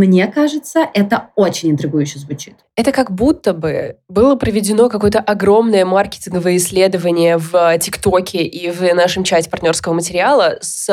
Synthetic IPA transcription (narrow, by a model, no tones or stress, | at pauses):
mnʲe̞kaʐɨt̪səʔɛt̪əot͡ɕɪnʲɪnt̪ɾʲɪɡujʉɕːəzvʊt͡ɕi̥t̪ɛt̪əkɐɡbut̪ːəbɨbɨlˠəpɾəvʲɪdʲɪno̞kɐko̞jət̪əʔɐɡɾo̞mnəjəmarkʲɪ̥tʲɪnɡəvəjəɪsʲːlʲe̞d̪əvənʲɪjəvtʲɪkt̪okʲɪʔivnaʂɨmt͡ɕɛsʲtʲɪ̥pɐrt̪ʲnʲo̞rskəvəmətʲɪɾʲɪalˠəs